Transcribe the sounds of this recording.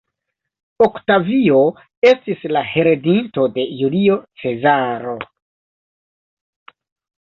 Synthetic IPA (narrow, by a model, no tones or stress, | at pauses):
oktavio̞ | e̞stislahe̞ɾedinto̞de̞julio̞t͡se̞zaɾo̞